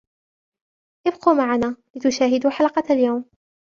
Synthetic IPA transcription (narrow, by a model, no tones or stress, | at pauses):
ʔɪbquːmaʕanaːlɪt̪ʊʃaːɦɪd̪uːħalqɑaljawm